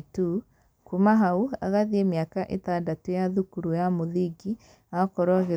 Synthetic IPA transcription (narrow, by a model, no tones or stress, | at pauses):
tu | kumaɦaua̰ɣaðiemjakaʔetandatujaðukuɾujamoðiɡi | akɔɾɔɣe